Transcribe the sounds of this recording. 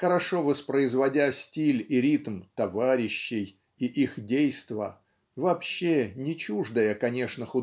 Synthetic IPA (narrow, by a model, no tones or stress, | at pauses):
xəɾɐʂovəspɾəɪzvɐdʲasʲtʲilʲiɾʲit̪mt̪ɐvaɾʲɪɕːɪj | iʔixdʲejst̪və | vɐːpɕːenʲɪt͡ɕuʐd̪əjəkɐnʲe̞ʂnəxʊ